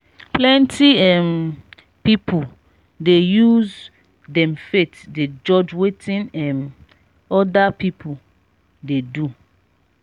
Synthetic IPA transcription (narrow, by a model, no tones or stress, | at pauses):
plɛ̃ntʰiɛm | pipʰu | dejuz | dɛ̃mfetded͡ʒɔd͡ʒwetʰĩnɛ̃m | ɔdapipʰu | dedu